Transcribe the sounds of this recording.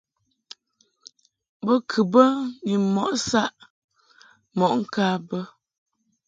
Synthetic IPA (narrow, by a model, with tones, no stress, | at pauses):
bə˦kʰɨ˨bə˦ni˨mɔ˨ʔsa˦ʔ | mɔ˨ʔŋ̩˦kaː˦bə˦